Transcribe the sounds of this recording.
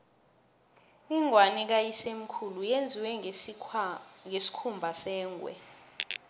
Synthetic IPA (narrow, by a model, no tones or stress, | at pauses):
iŋʱwanɛk̬ajisem̩kʰulujend͡zʱiwɛ | ŋesi̥kʰumbʱasɛːŋwɛ̰